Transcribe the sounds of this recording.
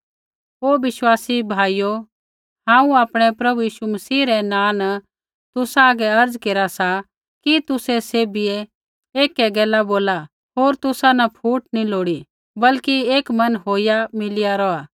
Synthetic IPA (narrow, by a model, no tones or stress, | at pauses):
oːʋɪʃwaːsibʱaːijo | ɦãːũaːpɽ̃ɛpɾɐbujiːʃumɐsiːɾɛnãːnə | t̪ʊsaːɡɛɐɾd͡zkeːɾasa | kit̪ʊsɛseːbie | eːkːɛɡɛːlaboːla | ɦoːɾt̪ʊsanɐpʰuːʈniloːɽi | bɐlkieːkmɐnɦoːijamɪlijaɾɔaː